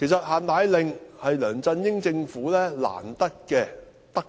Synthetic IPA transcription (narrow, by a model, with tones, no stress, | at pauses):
kʰe˨˩jsɐ˨t̚haː˨˩nt̪aː˨˧jlɪ˨ŋhɐ˨jlœː˨˩ŋt͡sɐ˧njɪ˥ŋt͡sɪ˧ŋfuː˨˥lɛː˥la̰ː˨˩nt̪ɐ˥k̚kɛː˧ | t̪ɐ˥k̚